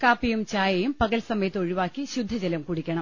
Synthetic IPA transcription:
kaːpːijumt͡ɕaːjɐjumpɐɣɐlsɐmɐjɐt̪ːo̞ɻiʋaːkːiɕud̪ʱːɐd͡ʑelɐmkuɽikʲːɐɳɐm

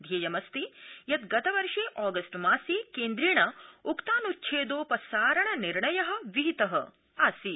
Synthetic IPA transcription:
d̪ʱjeːjɐmɐst̪ijɐt̪ɡɐt̪ɐʋɐɾʂeːʔaːɡɐsʈmaːsikeːnd̪ɾiːɳɐukt̪aːnutːt͡ʃʰeːd̪oːpɐsaːɾɐɳɐniɾɳɐjɐɦɐ̆ʋiɦit̪ɐɦɐ̆ | aːsi

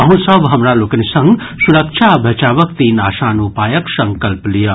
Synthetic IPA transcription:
ɐɦũsɐbɦɐmɾaloːkənesɐ̃ŋɡ | sʊɾəkʃʰabʱɐt͡ʃaːʋək̚t̪inaːʃaːnupaːjɐksɐ̃ŋkɐlplijaː

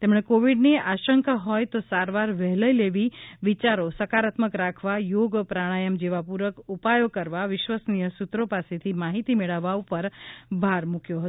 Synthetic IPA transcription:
t̪emɳ̃ekoʋiɖneaʃəŋkaɦɔjt̪osaɾʋaɾʋɛɦləjleʋiʋit͡ʃaɾosəkaɾat̪məkɾakʰʋajoɡpɾaɽ̃ajəmd͡ʒeʋapuɾəkupajokəɾʋaʋɪʃʋəsnijəsut̪ɾopaset̪ʰimaɦit̪imeɭəʋːaupəɾbʱaɾmukjoɦət̪o

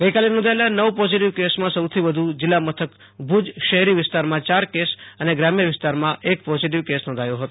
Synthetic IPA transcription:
ɡəikalenɔ̃nd̪ʱaelanəʋpɔziʈiʋkesmãsəwt̪ʰiʋəd̪ʱud͡ʒɪlːamət̪ʰək | bʱud͡ʒʃəɦɾiʋɪst̪aɾmãt͡ʃaɾkesəneɡɾamjəʋɪst̪aɾmãʔek̚pɔziʈ̬iʋkesnɔ̃nd̪ʱajõɦət̪o

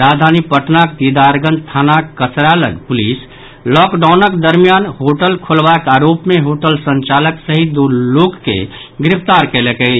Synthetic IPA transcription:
ɾad̪ʱanipəʈnakd̪id̪aɾɡənst̪ʰanakːət͡ʃɾaləɡpulis | lɔkɖaʊnəkd̪əɾmijanɦoʈəlkʰolbaekaɾopmeɦoʈəlsə̃nt͡ʃaləksəɦid̪olokːḛ | ɡɾipʰt̪aɾkelekəi

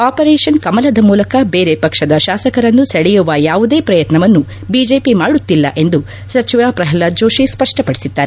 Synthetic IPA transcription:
aːpɐɾeːʂɐnkɐmɐlɐd̪ɐmuːlɐkɐbe̞ːɾepɐkʂɐd̪ɐʃaːsɐkɐɾɐnːusɐɽɛjuʋɐjaːʋud̪e̞ːpɾɐjɐt̪nɐʋɐnːu | bid͡ʒe̞ːpimaːɽut̪ːilːɐ̰ʔe̞nd̪u | sɐt͡ʃiʋaːpɾɐɦɐlːad͡ʒo̞ːʃispɐʂʈɐpɐɽisid̪ːaːɾe

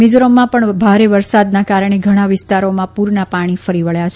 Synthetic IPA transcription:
mɪd͡ʒɾomːãpəɳbʱaɾeʋəɾsad̪nakaɾəɳ̃eɡʱəɽ̃aʋɪst̪aɾomãpuɾɳapaɽ̃ifəɾiʋəɭjat͡ʃʰ

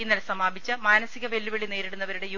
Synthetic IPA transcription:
inːɐlesɐmaːbʱit͡ɕːɨmaːnɐsiɣɐʋe̞lːuʋeɭine̞ːɾiɽunːɐʋɐɾuɽe̞j

